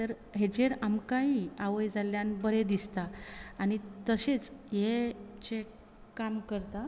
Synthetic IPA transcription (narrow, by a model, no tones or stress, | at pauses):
t̪əɾ | ɦed͡ʑeɾamkaɦiaʋəjd͡zaljanbəɾed̪ist̪aañit̪əset͡sjet͡ɕe | kamkəɾt̪a